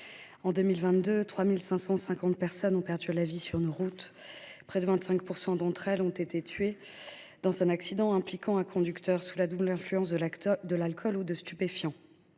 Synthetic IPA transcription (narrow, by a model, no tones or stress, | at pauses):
ɑ̃d̪ømilvɛ̃t̪d̪øt̪χwamilsɛ̃sɑ̃sɛ̃kɑ̃t̪̚pɛʁsɔnɔ̃pɛʁd̪ylavisyʁnoʁut̪ | pχɛd̪əvɛ̃t̪sɛ̃kpuʁsɑ̃d̪ɑ̃t̪χɛlɔ̃t̪et̪et̪ʰɥe | d̪̥ɑ̃zɛ̃naksid̪ɑ̃ɛ̃plikʰɑ̃ɛ̃kʰɔ̃d̪ykt̪ʰœʁsulad̪ublɛ̃flyɑ̃s̬d̪əlalkʰɔlud̪əst̪ypefjɑ̃